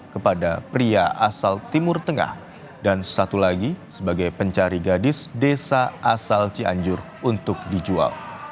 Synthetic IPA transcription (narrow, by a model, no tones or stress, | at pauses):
kəpadapɾiaʔasalt̪imʊrt̪əŋa̰h | dansat̪ulaɡisəbaɡajpəɲt͡ʃaɾiɡadɪsdesaasalt͡ʃia̰ɲd͡ʒʊr | unt̪ʊk̚did͡ʒua̰l